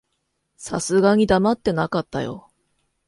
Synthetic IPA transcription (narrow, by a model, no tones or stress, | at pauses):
sasɨɡaɲ̟id̪amat̪ːe̞nakat̪ːajo̞̰